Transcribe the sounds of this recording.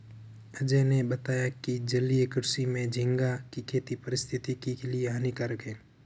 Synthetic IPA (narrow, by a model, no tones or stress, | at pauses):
əd͡ʒenebət̪aːjakid͡ʒəliekʊɾsimẽd͡ʒʱɪ̃ŋɡakikʰeːt̪ipəɾɪst̪ʰɪt̪ikikelieɦanikəɾəkẽː